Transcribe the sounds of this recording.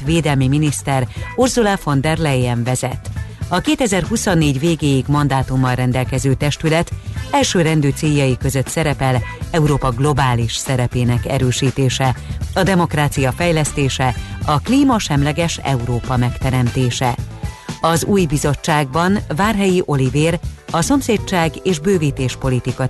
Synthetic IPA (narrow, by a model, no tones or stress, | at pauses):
veːd̪ɛlmiminist̪ɛrurzulafo̞nd̪ɛrlɛjɛɱvɛzɛ̰t̪ːɒkeːt̪ɛzɛrɦusonːeːɟveːɡeːjiɡmɒnd̪aːt̪umːɒlrɛnd̪ɛlkɛzøːt̪ɛʃt̪ylɛt̪ɛlʃøːɾɛnd̪øːt̪seːjːɒjikø̞zø̞t̪sɛɾɛpɛlɛuɾoːpɒɡlo̞baːliʃsɛɾɛpeːnɛkɛ̰ɾøːʃiːt̪eːʃɛɒd̪ɛmo̞kraːt̪sijɒfɛjlɛst̪eːʃɛɒkliːmɒʃɛmlɛɡɛʃɛ̰uɾoːpɒmɛkt̪ɛɾɛmt̪eːʃɛ | ɒzuːjbizo̞t͡ʃːaːɡ̚bɒnvaːrɦɛjiʔo̞liveːrɒso̞mseːt͡ʃːaːɡeːʒbøːviːt̪eːʃpo̞lit̪ikɒ